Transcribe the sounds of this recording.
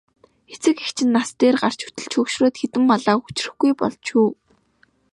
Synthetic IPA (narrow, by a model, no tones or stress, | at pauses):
xet͡sɘ̆kext͡ɕʰɪ̆nːast̪eːrɢar̥t͡ɕu̥t̪ɘ̆ɮt͡ɕʰɵkʃroːt̪xet̪ɘ̆mpɔɮaːku̥t͡ɕ̆rɘ̆xɡujpɔ̰ɮt͡ɕuː